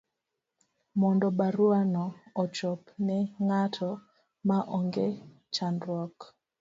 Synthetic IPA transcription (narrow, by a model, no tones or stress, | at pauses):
mɔndɔbaɾuanɔːt͡ʃɔpnɛŋatʰɔ | maʔɔŋɡe | t͡ʃandɾwɔk